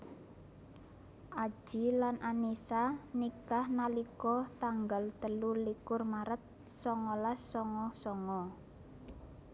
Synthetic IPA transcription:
ʔḁʒ̥ilanʔanisanikahnalikɔt̪aŋɡalt̪əlulikʊrmaɾət̪̚sɔŋɔlasːɔŋɔsɔŋɔ

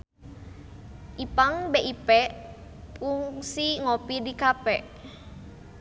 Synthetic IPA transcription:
ʔipaŋbeʔipɛ | puŋsiŋopidikapɛʔ

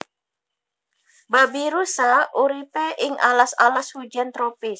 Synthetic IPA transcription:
babiɾusaʔuɾipɛʔɪŋʔa̰lasalashud͡ʒant̪ɾɔpis

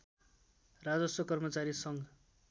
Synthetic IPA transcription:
rad͡zʌsʌkʌrmʌt͡saɾisʌŋ

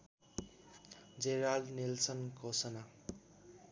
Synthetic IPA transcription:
d͡zeɾalnilsʌnkosʌna

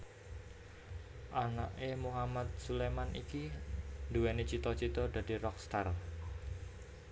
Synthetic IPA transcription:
ʔanaʔemuɦamat̪̚sulemanʔḭkind̪uwɛnet͡ʃit̪ɔt͡ʃit̪ɔda̤dirɔkst̪ar

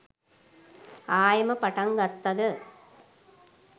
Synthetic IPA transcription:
aːjɐmɐpɐʈɐŋɡɐt̪ːɐðɯ

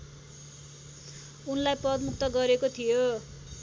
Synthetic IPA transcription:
unlajpʌd̪muk̚t̪ʌɡʌɾekot̪ʰijo

